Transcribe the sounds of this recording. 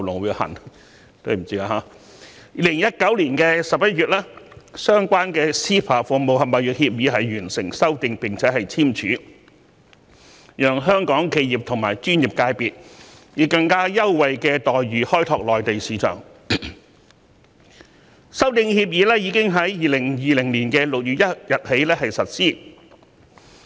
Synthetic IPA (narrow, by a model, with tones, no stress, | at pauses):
lʊ˨˩ŋwiː˨˧hɐ̰˨˩n | t̪o˥˩m̩˨˩t͡siː˥kaː˧˩ɦaː˨˧˥ | iː˨˧lɪ˨˩ŋjɐ˥t̚kɐ˨˥wliː˨˩nkɛː˧sɐ˨p̚jɐ˥t̚jyː˨t̚lɛː˥sœː˥ŋkʷaː˥nkɛː˧siː˥pʰaː˨˩fu˨˩mo˨whɐ˨˩mɐ˨jjyː˨˩k̚hi˧p̚jiː˨˥ɦɐ˨jɥyː˨˩nsɪ˨˩ŋsɐ˥wt̪ɪ˨ŋpɪ˨˩ŋt͡sʰɛː˨˥ɦɐ˨jt͡sʰiː˥mt͡ʃʰyː˨˥ | jœː˨ŋɦœː˥ŋkɔː˨˥ŋkʰe˧jjiː˨˩p̚t̪ʰʊ˨˩ŋmaː˨˩jt͡ʃyː˥nji˨p̚kaː˧jpiː˨t̚jiː˨˧kɐ˧ŋkaː˥jɐ˥wwɐ˨jkɛː˧t̪ɔː˨jɥyː˨hɔː˥jt̪ʰɔː˧k̚lɔː˨jt̪e˨jsiː˨˥t͡ʃʰœ̰ː˨˩ŋ | sɐ˥wt̪ɪ˨˧ŋhiː˧p̚jiː˨˧˥lɛː˥jiː˨˧kɪ˥ŋɦɐ˨˥jːiː˨lɪ˨˩ŋjiː˨lɪ˨˩ŋliː˨˩nkɛː˧lʊ˨k̚jyː˨t̚jɐ˥t̚jɐ˨t̚he˨˥jlɛː˥hɐ˨jsɐ˨t̚siː˥